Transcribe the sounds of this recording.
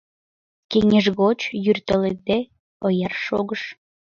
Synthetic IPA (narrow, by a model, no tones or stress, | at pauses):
keŋeʒɣot͡ɕjyrt̪əlet̪e | ojɑrʃoɣəʃ